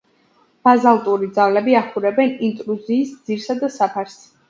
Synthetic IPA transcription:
b̥azalˠt̪ʼuɾid̪zalɛbiaχʰuɾɛbɛnint̪ʼɾuziːsd̪z̥iɾsad̪asapʰaɾs

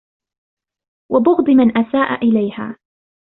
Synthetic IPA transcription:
wʔabʊɣd̪ˤɪmanʔasaːʔa̰ʔɪlajha̰ː

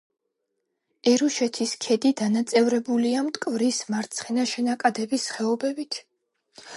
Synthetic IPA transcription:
ɛɾuʃɛt̪ʰiskʰɛd̪id̪anat̪sʼɛvɾɛbuliamt̪ʼkʼvɾismaɾt̪sʰχɛnaʃɛnakʼad̪ɛbisχɛɔbɛbit̪ʰ

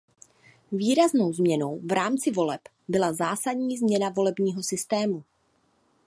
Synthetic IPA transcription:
viːɾazno̞wzmɲɛno̞wvɾaːmt͡sɪvo̞lɛp | bɪlazaːsadɲiːzmɲɛnavo̞lɛbɲiːɦo̞sɪst̪ɛːmu

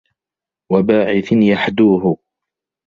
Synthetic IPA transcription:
wabaːʕɪθɪnjaħd̪uːɦʊ

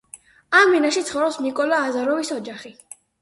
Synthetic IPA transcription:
amvinaʃit̪sʰχɔvɾɔpsnikʼɔlaːzaɾɔvisɔd͡ʒaχi

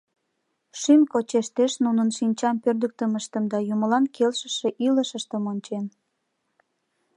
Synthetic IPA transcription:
ʃymkot͡ɕeʃt̪eʃnunənʃinʲt͡ɕɑmpørd̪ək̚t̪əməʃt̪əmd̪ɑjuməlɑnkʰelʃə̥ʃeʔiləʃəʃt̪əmonʲt͡ɕen

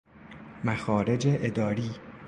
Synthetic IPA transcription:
mæxɒːɾe̞d͡ʒeʔed̪ɒːɾiː

